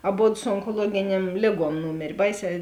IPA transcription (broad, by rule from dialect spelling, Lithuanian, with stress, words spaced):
ɐˈboːt sʊ oːŋkoːˈlˠuɔɡʲɪˌnʲiɛm ˈlʲeːˌɡuɔm ˈnuːmʲeːrʲ ˈbɐɪˌsʲɛː